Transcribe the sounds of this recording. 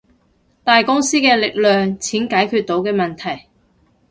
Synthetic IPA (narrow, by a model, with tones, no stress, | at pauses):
t̪aː˨jkʊ˥ŋsiː˥kɛː˧lɪ˨k̚lœː˨ŋt͡sʰiː˨˥nkaː˨˥jkʰyː˧t̚t̪o˨˥wkɛː˧mɐ˨nt̪ʰɐ˨˩j